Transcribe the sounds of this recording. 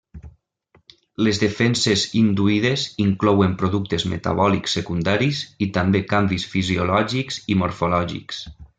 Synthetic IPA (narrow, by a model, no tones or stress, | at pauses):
lezðefɛnsezind̪uiðeziŋklɔwempɾoðuk̚t̪ezmḛt̪a̰βɔliksːekund̪aɾizit̪ambekambisfiziolɔʒikzimoɾfolɔʒḭks